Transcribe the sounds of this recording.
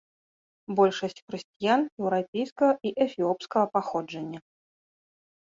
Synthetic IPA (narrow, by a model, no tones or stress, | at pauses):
bɔlʲʂɐsʲt͡sʲxɾɨsʲt͡sʲijanjɛwɾapʲejskɐɣɐʔiʔɛfʲiɔpskɐɣɐpaxɔd͡ʐɐnʲːɐ